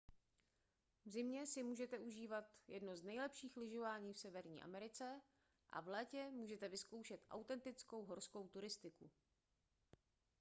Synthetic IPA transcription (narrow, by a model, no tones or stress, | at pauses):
vzɪmɲɛsɪmuːʒɛt̪ɛʔuʒiːvat̪jɛdnoznɛjlɛpʃiːxlɪʒo̞vaːɲiːfsɛvɛɾɲḭːʔa̰mɛɾɪt͡sɛ | ʔa̰vlɛːcɛmuːʒɛt̪ɛvɪsko̞wʃɛt̪ʔa̰wt̪ɛnt̪ɪt͡sko̞wɦoɾsko̞wt̪uɾɪst̪ɪku